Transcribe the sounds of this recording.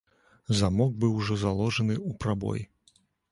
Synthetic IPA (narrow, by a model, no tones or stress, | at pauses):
zamɔɡ̚bɨwʐɔzalˠɔʐɐnɨupɾabɔ̰j